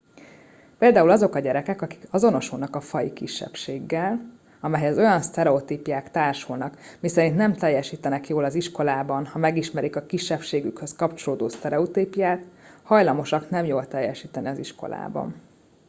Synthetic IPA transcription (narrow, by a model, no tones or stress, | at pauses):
peːld̪aːulɒzo̞kɒɟɛɾɛkɛkɒki̥kɒzo̞no̞ʃulnɒkɒfɒjḭkiʃːɛ̰pʃeːɡːɛl | ɒmɛjhɛzo̞jɒnst̪ɛɾɛot̪iːpjaːkt̪aːrʃulnɒkmisɛɾint̪nɛmt̪ɛjːɛʃiːt̪ɛnɛkjoːlɒziʃko̞laːbɒnhɒmɛɡiʃmɛɾikɒkiʃːɛpʃeːɡykhøskɒpt͡ʃo̞loːd̪oːst̪ɛɾɛut̪ipjaːt̪hɒjlɒmo̞ʃɒknɛmjoːlt̪ɛjːɛʃiːt̪ɛniɒziʃko̞̰la̰ːbɒ̰n